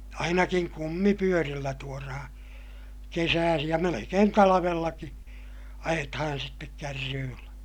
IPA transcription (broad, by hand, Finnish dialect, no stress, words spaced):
ɑinɑkiŋ kumːipyørilːæ tuorɑhɑ̃ː kesæːsij jɑ melekeːn tɑlɑʋelːɑki ɑjetɑhɑn sitːek kærːyːlːæ